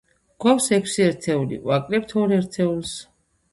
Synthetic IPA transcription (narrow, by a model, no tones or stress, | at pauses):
ɡ̥awsɛkʰsiɛɾt̪ʰɛulḭʔʼwakʼɾɛp̚t̪ʰɔɾɛɾt̪ʰɛulˠs